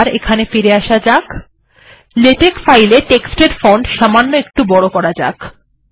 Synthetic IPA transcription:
ɾekʰanefiɾeaʃad͡ʑak | leʈekfajleʈeksʈeɾfoɳɖʃamanːoek̚ʈubɔɽokɔɾad͡ʑa̰k

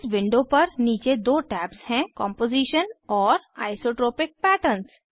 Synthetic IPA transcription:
sʋɪ̃ɳɖopɐɾniːt͡ʃed̪oːʈɛːpshɛ̃kɔ̃ːmpoːziːʃənɔːɾa̰ːɪsoːʈɾoːpɪk̚pɛːʈəɾns

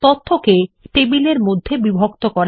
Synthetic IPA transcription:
t̪ot̪ʰːokeʈebileɾmod̪ʱːebibʱokt̪okɔɾ

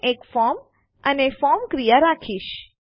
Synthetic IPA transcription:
ekfɔm | ənefɔɾmkɾijaɾakʰiʃ

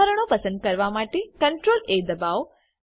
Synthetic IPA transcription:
əɾəɳ̃opəsə̃nd̪̚kəɾʋamaʈekəɳʈɾoled̪əbaʋ

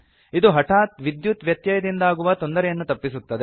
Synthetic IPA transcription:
id̪uɦɐʈʰaːt̪ʋid̪jut̪ʋjɐt̪jɐjɐd̪ind̪aːɡuʋɐt̪o̞nd̪ɐɾɛjɐnːut̪ɐpːisut̪ːɐd̪e

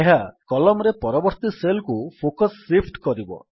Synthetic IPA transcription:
eɦakɔlɔmɾepɔɾɔbɔɾt̪iselkupʰokɔsːipʰʈkɔɾibɔ̰

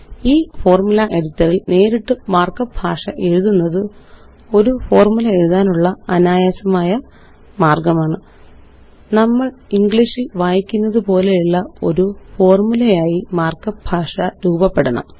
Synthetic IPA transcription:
iːfo̞ːrmulɐʔe̞ɽitːɐrilne̞ːɾiʈːɨmaːrkɐbʱaːʂɐ̰ʔe̞ɻuðunːɐðɨ | o̞ɾufo̞ːrmulɐe̞ɻuðaːnuɭːɐɐnaːjaːsɐmaːjɐ | maːrɡɐmaːɳɨ | nɐmːɐɭiŋɡɭiʂilʋaːjikʲːunːɐðɨpo̞ːle̞iɭːɐo̞̰ɾufo̞ːrmulɐjaːjimaːrkɐbʱaːʂɐɾuːbɐpːe̞ɽunːɐ̰

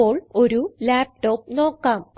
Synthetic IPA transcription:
oːɭoɾulaːp̚ʈoːp̚noːkːaːm

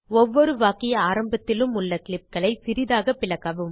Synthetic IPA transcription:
ɔʋːɔɾɯʋaːkɪjɐaːɾɐmbɐt̪ːɪlɯmʊɭːɐkɪɭɪp̚kɐɭɐɪsɪɾɪðaːɣɐpːɪlɐɣɐʋɯm

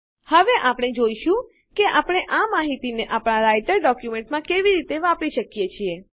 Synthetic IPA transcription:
həʋeʔapɽ̃ed͡ʒoiʃũ | keʔapɽ̃eʔamaɦit̪ineʔapɽ̃aɾajʈəɾɖɔkjumẽɳʈmãkeʋiɾit̪eʋapiʃəkijet͡ʃʰie

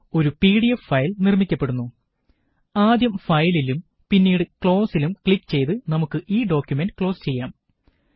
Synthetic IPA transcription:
o̞ɾupiːɽijɐfːɐjlnirmikʲːɐpːe̞ɽunːu | aːd̪jɐmfɐjlilum | pinːiːɽɨkɭo̞ːsilumkɭikːɨ̥t͡ɕe̞jt̪ɨnɐmukːɨʔiːɖo̞ːkʲjumenɖɨkɭo̞ːst͡ɕe̞jːaːm

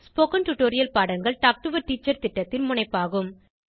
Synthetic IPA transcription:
spoːkɐnʈʊʈoːɾɪjɐlpaːɽɐŋɡɐɭʈaːk̚ʈɯʋɐɾʈiːt͡ʃːɐɾt̪ɪʈːɐt̪ːɪnmʊɳɐɪpːaːɣɯm

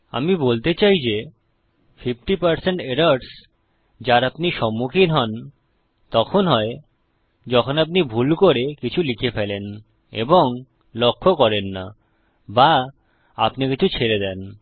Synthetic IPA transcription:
a̰mibolt̪et͡ɕajd͡ʑe | fifʈipaɾseɳʈeɖaɾɖs | d͡ʑaɾapniʃɔmːukʰinɦɔn | t̪ɔkʰonɦɔe | d͡ʑɔkʰonap̬nibʱulkoɾekit͡ɕʰulikʰefelen | ḛboŋ | lokʰːokɔɾenːa̰ | ba | apnikit͡ɕʰut͡ɕʰeɾed̪ɛn

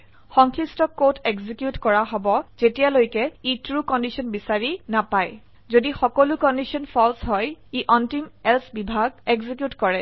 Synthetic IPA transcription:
xɔŋkʰɹistɔkotʰeɡzikjutkɔɹaɦɔbɔz̥etijalojkɛitɹukɔndisɔnbisaɹinapaj | zodixɔkolukɔndisiɔnpʰɔlsɦɔjiʔɔntimɛlsbibʱaɡeɡzikjutkɔɹɛ

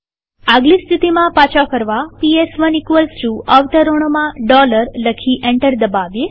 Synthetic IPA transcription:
aɡlist̪ʰit̪imãpat͡ʃakəɾʋapiesʋənikʋəlsɾuəʋt̪əɾoɳ̃omãɖɔləɾləkʰiʔẽɳʈəɾd̪əbaʋe

